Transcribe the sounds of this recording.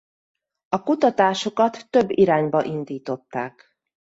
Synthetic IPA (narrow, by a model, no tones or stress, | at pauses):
ɒkut̪ɒt̪aːʃo̞kɒt̪ːø̞bːiɾaːɲbɒʔind̪iːt̪o̞t̪ːaːk